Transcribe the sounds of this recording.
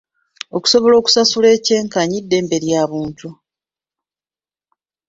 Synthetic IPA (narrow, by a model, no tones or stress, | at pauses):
o̞ku̥so̞βo̞lo̞ːku̥sasule̞ːce̞ːŋkaɲidːe̞ːmbe̞ɾjaːβuːntu